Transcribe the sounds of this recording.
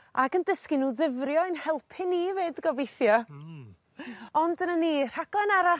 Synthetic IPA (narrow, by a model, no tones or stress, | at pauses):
aɡəndəskɪnuːðɪvrjɔɪnhɛlˠpʰɪniveːdɡɔbejθjɔ | ɔndənəniːr̥aɡ̥lˠɛnaɾa